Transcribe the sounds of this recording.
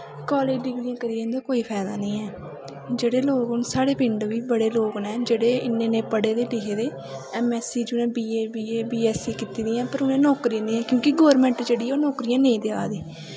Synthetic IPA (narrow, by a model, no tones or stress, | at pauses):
kɔːleːd͡ʒɖɪɡɾijãːkəɾiːẽnd̪aːkoːiːpʰɛːd̪aːnəĩːɛː | d͡ʒeːɽeːloːɡʊnsaːɽeːpɪ̃ɳɖʋiːbəɽeːloːɡnɛ̃ːd͡ʒeːɽeːɪnːẽːnẽːpəɽeːd̪eːlɪɦeːd̪eː | ɛːmɛːsiːd͡ʒʊnẽːbiːeːbiːeːbiːɛːsiːkit̪iːd̪ĩːɛ̃ːpəɾʊnẽːnɔːkɾiãːd̪iːɛ̃ːkjõːkɪɡɔːɾmɛ̃ːɳʈd͡ʒeːɽiːɛːoːnɔːkɾijãːnə̃ĩːd̪ea̰ːd̪iː